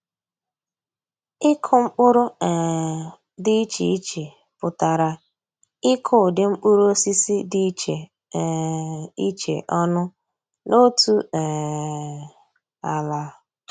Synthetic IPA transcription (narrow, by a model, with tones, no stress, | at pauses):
ɪ˦kʰʊ˨ŋ͡m̩˦k͡pʊ˦ɾʊ˦ɛ˨ | dɪ˦i˦t͡ʃḛ˨i˦t͡ʃe˨ | pʊ˨ta˨ɾa˨ | ɪ˦kʰʊ˨dɪ˨ŋ͡m̩˦k͡pu˦ɾo˦si˦si˦di˦i˦t͡ʃe˨ | i˦t͡ʃḛ˨ʔɔ˦nʊ˦ | no˦tu˦ɛ˨ | a˨la˦